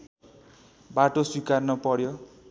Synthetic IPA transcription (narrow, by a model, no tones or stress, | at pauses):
baʈoswikarnʌpʌɽjo